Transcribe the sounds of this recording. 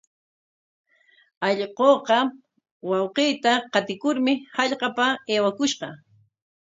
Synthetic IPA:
ɑʎɢoːqɑ | wɑwqiːt̪aqɑt̪ɪkʊɾmɪhɑʎqɑpaeːwakʊʃqɑ

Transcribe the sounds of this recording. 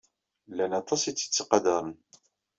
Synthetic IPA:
lːænɑt̪ˤɑsit͡sːə̥t͡sːiqɑd̪ɑɾˤən

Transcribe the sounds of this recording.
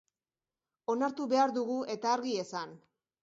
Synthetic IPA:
o̞naɾt̪uβe̞aɾðuɣ̞uʔe̞t̪aːɾɣie̞san

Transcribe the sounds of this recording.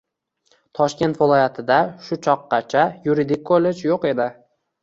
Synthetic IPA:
t̪ʰɒʃkʲe̞nt̪vɪlˠɒjat̪ʰɪd̪aʃʊt͡ʃʰɒqːɑt͡ʃʰajuɾid̪ɪk̚ʲkʰolːed͡ʒjoqe̞d̪ɪ

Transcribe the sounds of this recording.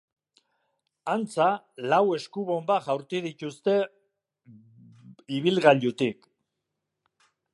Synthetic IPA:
ant͡sa | lawe̞skuβo̞mbaʝawɾt̪iðic̪ust̪e̞ | iβilɣaʎut̪ik

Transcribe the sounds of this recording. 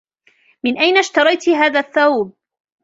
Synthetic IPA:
mɪnʔajnaʃt̪ɑɾˤɑjt̪ɦaːðaːθːawb̚

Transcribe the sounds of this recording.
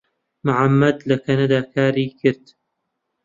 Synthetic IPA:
mʊʕamːɐd̪lɐkʰɐnɐd̪aːkʰaːɾiːkʰɨɾd̪

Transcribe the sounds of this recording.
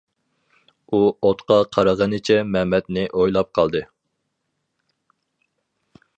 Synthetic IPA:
uot̪qʰɑqʰɑɾɑʁɑnɨt͡ʃʰɛmɛmɛt̪nɪʔojlˠɑp̚qʰɑlˠd̪ɨ

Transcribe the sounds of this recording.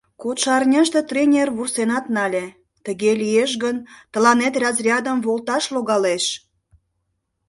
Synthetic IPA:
kot̪ʃɑrnʲɑʃt̪et̪rʲenʲerβursenɑt̪nɑlʲe | t̪əɣelʲieʃ̬ɣənt̪ə̆lɑnet̪rɑzrʲɑd̪əmβolt̪ɑʃloɣɑleʃ

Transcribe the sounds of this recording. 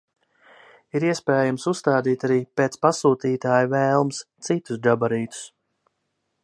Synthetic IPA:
iɾiɛspɛːjamsust̪aːd̪iːt̪aɾiːpeːt̪spasuːt̪iːt̪aːjuvɛːlˠmst̪sit̪usd͡ʒabaɾiːt̪u̥s

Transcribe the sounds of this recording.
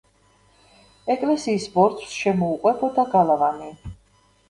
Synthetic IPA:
ɛkʼlɛsiːsbɔɾt̪ʰsʃɛmɔuqʼwɛbɔd̪aɡalˠavani

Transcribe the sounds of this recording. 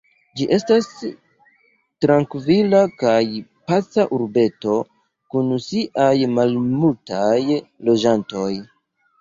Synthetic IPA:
d͡ʒiʔe̞stas | tɾaŋkvilakajpat͡saʔuɾbe̞to̞ | kunusiʔajmalmultajlo̞d͡ʒanto̞j

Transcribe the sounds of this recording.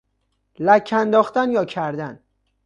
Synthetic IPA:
lækʰːænd̪ɒːχt̪ænjɒːcʰæɾd̪æn

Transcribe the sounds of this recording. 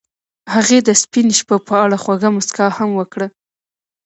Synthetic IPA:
haɣed̪əspinʃpapəaɽaxwaɡamʊskɑhamwəkɽə

